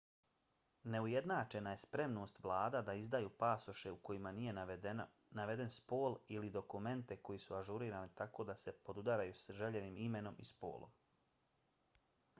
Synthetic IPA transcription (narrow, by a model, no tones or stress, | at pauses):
ne̞uje̞d̪naːt͡ʃe̞naje̞spɾe̞mno̞ːst̪ʋlˠaːd̪ad̪aizd̪ajupaːso̞ʃe̞uko̞jimanije̞ | naʋe̞d̪e̞nspoːlilid̪o̞kume̞nt̪e̞ko̞jisuaʒuɾiːɾaːnit̪ako̞ːd̪ase̞po̞d̪ud̪aɾajusʒe̞ʎeniːmime̞no̞mispo̰ːlˠo̰m